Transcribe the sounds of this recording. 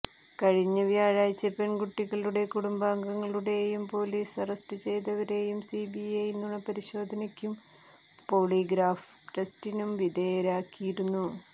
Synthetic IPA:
kɐɻiɲːɐʋjaːɻaːjt͡ɕːɐpe̞ɳɡuʈːiɣɐɭuɽe̞kuɽumbaːŋɡɐŋːɐɭuɽe̞jumpo̞ːliːsɐrɐsʈɨt͡ɕe̞jt̪ɐʋɐɾe̞jumsibiejnːuɳɐpɐɾiɕo̞ːd̪ʱɐnɐkʲːum | po̞ːɭiːɡɾaːf | ʈestinumʋid̪eːɐɾaːkːijiɾunːu

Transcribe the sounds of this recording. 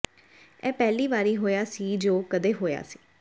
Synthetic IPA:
ɛːpɛːliːʋaːɾiːɦoːjaːsiːd͡ʒoːkəd̪eːɦoːja̰ːsi̥ː

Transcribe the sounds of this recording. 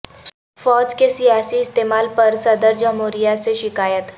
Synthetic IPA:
fɔːd͡ʒkesijaːsiɪst̪eːmaːlpɐɾsɐd̪əɾd͡ʒəmɦoːɾijaseʃɪkaːjət̪

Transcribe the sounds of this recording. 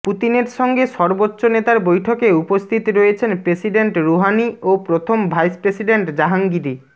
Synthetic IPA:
put̪ineɾʃɔŋɡeʃɔɾbotːonet̪aɾbojʈʰokeupost̪ʰit̪ɾoet͡ɕʰenpɾesiɖeɳʈɾoɦaniopɾot̪ʰombʱajspɾesiɖeɳʈd͡ʑaɦaŋɡiɾi

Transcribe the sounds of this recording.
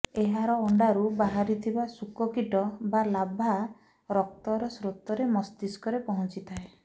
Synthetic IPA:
eɦaɾɔːɳɖaɾubaɦaɾit̪ʰibasukɔkiʈɔbalabʱa | ɾɔk̚t̪ɔɾɔsɾut̪ːɔɾemɔst̪iskɔɾepɔɦɔ̃nt͡ʃit̪ʰae

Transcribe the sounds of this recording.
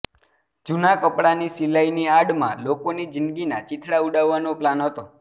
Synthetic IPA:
d͡ʒunakəpɽanisilainiaɽmã̰lokonid͡ʒɪnd̪ɡinat͡ʃɪʈ̪ʰɽauɖaʋːanoplanɦət̪o

